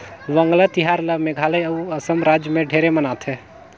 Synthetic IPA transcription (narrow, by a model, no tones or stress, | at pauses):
ʋəŋɡlət̪iɦaɾləmeɡʱaːləjəuəsəmɾad͡ʒjəmẽɖʱeɾemənat̪ʰɦɛ